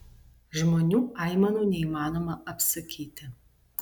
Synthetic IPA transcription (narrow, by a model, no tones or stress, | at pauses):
ʒmoːnʲuːɑɪmɐnuːnʲɛiːmɑːnoːmɐʔɐpsɐkʲʰiːt̪ʲɪ